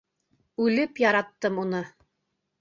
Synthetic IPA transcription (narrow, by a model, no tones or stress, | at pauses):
ʉlɘpjɑɾɑt̪ːɤmunɤ